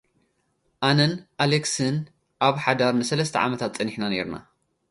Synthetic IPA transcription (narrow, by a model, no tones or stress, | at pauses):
ʔanɐnʔaleksɨn | ʔaβħad̪aɾnɨsɐlɐst̪ʰɐ̰ʕa̰mɐt̪ʰat̪t͡sʼɐniħnane̞̰ɾna̰